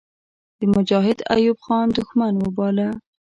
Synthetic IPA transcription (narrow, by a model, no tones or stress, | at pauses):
d̪̥əmʊd͡ʒɑɦɪd̪a̰jubxɑnd̪ʊxmanwəbɑla